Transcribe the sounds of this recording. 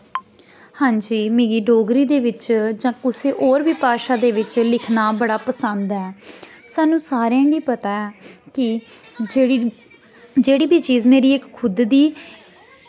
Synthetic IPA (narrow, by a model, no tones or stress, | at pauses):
hãːɲd͡ʒiːmeːɡiːɖoːɡɾiːd̪eːʋɪt͡ʃd͡ʒãːkʊseːʔoːɾbʱiːpaːʃaːd̪eːʋɪt͡ʃlɪkʰnaːbəɽaːpəsənd̪ɛː | saːnũːsaːɾjãːɡiːpət̪aːɛːkɪ | eː | d͡ʒeːɽiːbʱiːt͡ʃiːd͡ʒmeːɾiːɪkkʰʊd̪d̪iː